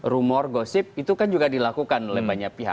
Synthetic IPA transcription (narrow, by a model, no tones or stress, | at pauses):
ɾumɔrɡosɪp̚it̪ukand͡ʒuɡadilakukanolɛbaɲapiɦa̰